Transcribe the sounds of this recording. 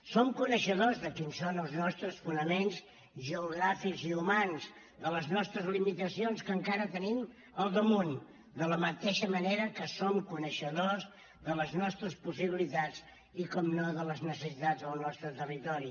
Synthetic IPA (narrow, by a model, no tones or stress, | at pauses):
somkunəʃəðozðəkinsonəlˠznɔst̪ɾəsfunəmenz | ʒəuɣɾafikziumanz | d̪ələznɔst̪ɾəzlimit̪əsionskəŋkaɾət̪ənim | əlˠd̪əmun | d̪ələmət̪eʃəməneɾəkəsomkunəʃəðoz | ðələznɔst̪ɾəspusiβilit̪at͡s | ikɔmnoðələznəsəsit̪ad͡zðəlˠnɔst̪ɾət̪ərit̪ɔɾi